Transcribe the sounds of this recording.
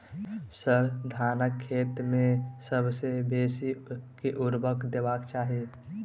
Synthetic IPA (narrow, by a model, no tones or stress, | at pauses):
səɾd̪ʱaːnəkʰːeːt̪mẽsəbsebeːsikiʔʊɾbəkd̪eːbaːkt͡ʃaːɦie